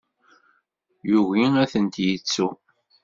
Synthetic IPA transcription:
juʝiæθənt̪jət͡sːu

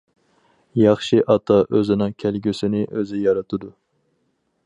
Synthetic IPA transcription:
jɑχʃiʔɑt̪ʰɑʔøzɪnɨŋkʲʰælɡʲysɪnɪʔøzɪjɑɾɑt̪ʰɨd̪u

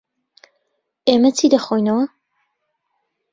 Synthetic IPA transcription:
eːmɐt͡sʰid̪ɐxojnɐwɐ

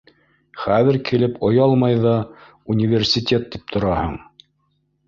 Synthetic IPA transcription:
χæðɘɾkilɘpʰŏjɑlˠmɑjðɑ | unʲivʲersʲit̪ʲet̪̚ːip̚t̪ʰŏɾɑhɤ̰ɴ

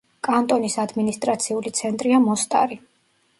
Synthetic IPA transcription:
kʼant̪ʼɔnisad̪minist̪ʼɾat̪sʰiulit̪sʰɛnt̪ʼɾiamɔst̪ʼa̰ɾi

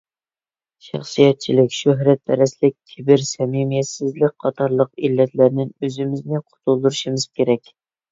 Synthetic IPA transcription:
ʃɑ̰χsijɛt̪̚t͡ʃʰilɪkʲʃøɦɾɛt̪̚bʰɛɾɛslɪk̚ʲkʲʰɪbɪɾsɛmimijɛsɪzlɪk̚ʲqʰɑt̪ʰɑɾlˠəqilːɛt̪ʰlæɾnɪnøzɪmɪznɪqʰʊ̥t̪ʰulˠd̪uɾuʃimɨz̥kʲeɾɛkʲ

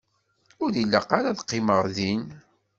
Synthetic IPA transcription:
ʊɾilːəqaɾaðqːɪməʁðin

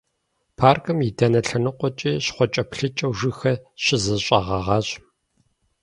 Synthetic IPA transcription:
pʰaːrkʰʼɨmjidʰɐnɐɬɐnɨqʷɔt͡ʃʼiːɕχʷɔt͡ʃʼɐpɬɨt͡ʃʼɐwʒɪxɐɕɪzɨɕʼɐʁɐʁɑːɕ

